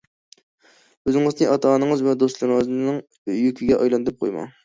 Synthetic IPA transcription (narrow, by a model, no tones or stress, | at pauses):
øzɪŋɨznɨʔɑt̪ʰɑːnɨŋɨzvɛd̪oslˠɨɾznnɨŋ | jykʲʰiɡʲɛʔɑjlˠɑnd̪ɨp̚qʰo̰jmɑ̰